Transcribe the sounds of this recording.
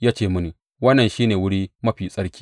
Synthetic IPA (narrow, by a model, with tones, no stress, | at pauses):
jaː˦t͡ʃeː˨mʊ˦ni˨ | wɐ˦nːɐ˨nʃiː˦neː˨wʊ˦ɽiː˦mɐ˦ɸiː˨sʼɐ˦ɽkʲiː˦